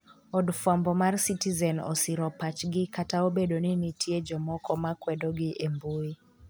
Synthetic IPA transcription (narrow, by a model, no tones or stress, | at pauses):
ɔdfwambɔmarsitizɛnɔ̰siɾɔpat͡ʃɡɪkataobedoninitʰjed͡ʒɔmɔkɔmakwɛdɔɡɪʔembui